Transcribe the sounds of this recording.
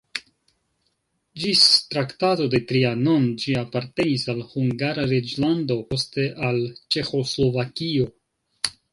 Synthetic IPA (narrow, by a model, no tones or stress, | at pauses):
d͡ʒistɾaktato̞de̞tɾiano̞nd͡ʒiapaɾte̞nisalhuŋɡaɾaɾed͡ʒlando̞po̞ste̞ʔalt͡ʃe̞xo̞slo̞vakio̞